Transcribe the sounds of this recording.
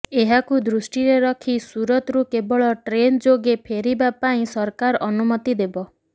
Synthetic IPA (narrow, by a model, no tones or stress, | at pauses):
eɦakud̪ɾusʈiɾeɾɔkʰisuɾɔt̪ɾukebɔɭɔʈɾend͡ʒoɡepʰeɾibapaĩsɔɾkaɾɔnumɔt̪id̪ebɔ